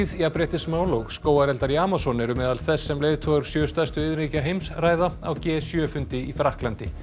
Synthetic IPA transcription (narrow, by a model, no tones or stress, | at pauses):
ðjapɾɛːht̪ɪsmaːwloːwɣskoːwaɾɛlt̪aɾiaːmasɔnɪɾʏmɛːðalθɛsːɛmleːjðt̪ʰɔɣʏɾ̥sjœːst̪ast̪ʏɪðɾecaɦejmsraːjðaawcɛːsjœːfʏnt̪ɪifɾahklant̪ɪ